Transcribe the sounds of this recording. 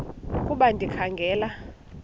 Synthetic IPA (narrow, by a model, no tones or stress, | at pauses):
kʼuɓandʱikʰaŋɡʱɛːla